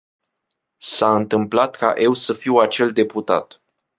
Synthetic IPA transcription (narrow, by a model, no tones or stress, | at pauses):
saɨnt̪ɨmplat̪ka̰ʔe̞wsəfiwat͡ʃe̞ld̪e̞put̪a̰t̪